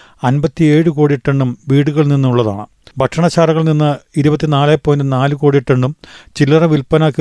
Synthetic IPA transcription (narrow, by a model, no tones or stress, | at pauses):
ɐnbɐt̪ːie̞ːɻɨkoːɽieʈːɐɳɖumʋiːɽuɣɐɭninːuuɭːɐða̰ːɳɨ | bʱɐʈʂɐɳɐt͡ɕːaːrɐɣɐɭninːɨiɾubɐt̪ːinaːlajpːoːjndɨnaːlɨkoːɽiʈːɐɳɖumt͡ɕilːɐrɐʋilpɐnaːkːi